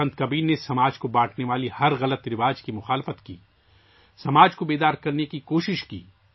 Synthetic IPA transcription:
ɐ̃nt̪̚kɐbiːɾnesɐmaːd͡ʒkobaːʈʰneʋaːlihɐɾɣɐlət̪ɾɪʋaːd͡ʒkimʊxaːlɪfət̪kḭː | sɐmaːd͡ʒkobeːd̪aːɾkɐɾnekikoːʃɪʃkḭː

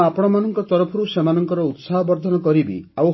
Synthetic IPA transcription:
apɔɽ̃ɔmanɔŋkɔt̪ɔɾɔpʰɔɾusemanɔŋkɔɾɔut̪saɦɔbɔɾd̪ʱɔnɔkɔɾibḭa

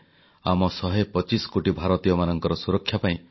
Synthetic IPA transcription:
amɔsɔɦepɔt͡ʃiskoʈibʱaɾɔt̪ijɔmanɔŋkɔɾɔsuɾɔkʰːjapaĩ

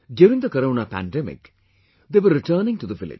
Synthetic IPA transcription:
ɖjuːɾɪ̃ŋd̪əkɐɾoːnapæ̰̃nɖɛmɪ̰k | d̪eːʋəɾːɪʈəːnɪ̃ŋʈud̪əʋɪlɪ̰d͡ʒ

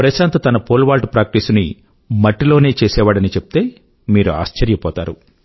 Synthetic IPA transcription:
pɾɐʃaːnt̪ɐt̪ɐnɐpoːlʋaːlʈpɾaːk̚ʈisuni | mɐʈːilo̞ːne̞ːt͡ʃɛːsɛːʋaːɽɐnit͡ʃepu̥t̪e̞ː | miːɾua̰ːst͡ʃɐɾjɐpɔːt̪aːɾṵ

